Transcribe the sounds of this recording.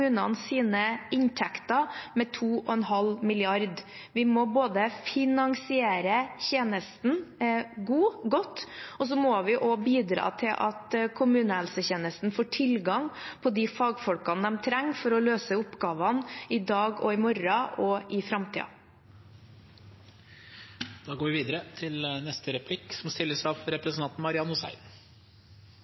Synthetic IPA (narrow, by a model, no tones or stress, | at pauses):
ʉːnɑ̰nsiːnəɪnt̪ʰɛkt̪ɑmɛt̪ʰuːɔɛnɦɑlmɪlɪɑɾd̪ | ʋɪmɔboːd̪əfɪnɑŋsɪeːɾəçeːnəst̪n̩ɡuːɡɔt̪ːɔs̬ɔmɔʋɪʔɔbiːd̪ɾɑ̰ːt̪ʰɪlʔɑt̪kʰʊmʉːnəhɛlsəçeːnəst̪n̩foːʈʰɪlɡɑŋpʰɔd̪ɪfɑːɡfɔlkɑnd̪ɛmt̪ʰɾɛŋːfɔɾɔløːsəʊpɡɑːʋɑnɪd̪ɑːɡɔɪmɔɾɑʔɔʔɪfɾɑmt̪ʰḭːɑ̰ | d̪̥ɑːɡoːʋɪʋiːd̪əɾət̪ʰɪlnɛst̪ʰəɾɛpʰlɪksɔmst̪ɪlːəsɑʋɾɛpɾɛsnɑnt̪n̩mɑɾɪɑnʊsæ̰ɪn